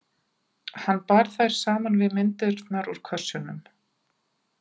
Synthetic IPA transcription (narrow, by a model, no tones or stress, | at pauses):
hanːpaɾ̥θajɾ̥saːmanvɪðmɪnt̪ɪɾt̪naɾuɾ̥kʰœr̥sʏnːʏm